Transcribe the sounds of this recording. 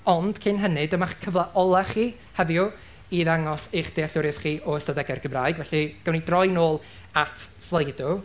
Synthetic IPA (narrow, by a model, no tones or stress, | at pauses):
ɔnd̥kʰɪnɦənɨdəmaχkʰəvlˠaʔɔlˠaχiː | həðjʊ | iðaŋɔsejχd̥eaɬʊɾɛθχiːʔɔəstadɛɡɛrɡ̥əmraːjɡvɛɬiɡ̥əwnidrɔjnoːlˠ | atʰslˠəjdʊ